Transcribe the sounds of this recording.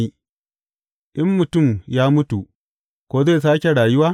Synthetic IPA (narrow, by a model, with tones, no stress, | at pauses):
i˦ | ʔɪ˦mːʊ˨tʊ˦˨mjaː˦mʊ˦tu˨ | kʷoː˦ze˦˨jsaː˦kʲe˨ɽaː˨jʊ˦waː˦